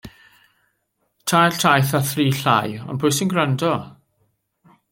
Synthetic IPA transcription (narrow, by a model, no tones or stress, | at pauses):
tʰajɬtʰajθaθriːɬa̰jɔ̰nbʰʊjsɪnɡrandɔ